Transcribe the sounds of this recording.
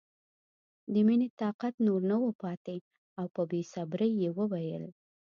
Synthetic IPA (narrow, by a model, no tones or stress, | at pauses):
d̪əminet̪ɑqat̪noɾnəwəpɑt̪e | awpəbesabɾəjːewəwajə̰l